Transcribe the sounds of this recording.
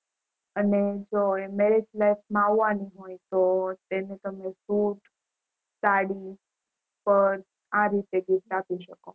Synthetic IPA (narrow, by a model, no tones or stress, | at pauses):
əned͡ʒoemeɾed͡ʒlajfmãaʋːãniɦoit̪ot̪enet̪əmesuʈ | saɽi | pəɾ | ãɾit̪eɡifʈapiʃəko